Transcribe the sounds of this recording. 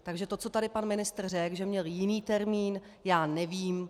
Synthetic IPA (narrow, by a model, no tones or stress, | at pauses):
t̪aɡʒɛt̪ott͡so̞t̪adɪpanmɪnɪst̪r̩rɛɡʒɛmɲɛljɪniːt̪ɛɾmiːn | jaːnɛviːm